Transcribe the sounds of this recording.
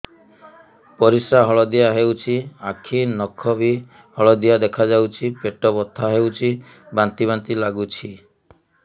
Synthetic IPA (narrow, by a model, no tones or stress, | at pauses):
pɔɾisaɦɔɭɔd̪ijaɦewt͡ʃʰiakʰinɔkʰɔbi | hɔɭɔd̪ijad̪ekʰad͡ʒawt͡ʃʰipeʈɔbɔt̪ʰːaɦewt͡ʃʰi | bant̪iβant̪ilaɡut͡ʃʰi